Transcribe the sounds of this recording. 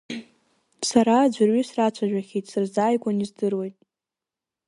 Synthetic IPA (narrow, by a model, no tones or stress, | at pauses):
saɾad͡ʒʷarɥisrat͡ɕʷʰaʒᶣʷaχʲejtʼsɨrzaːjkʷʼanizdɨrwe̞jtʼ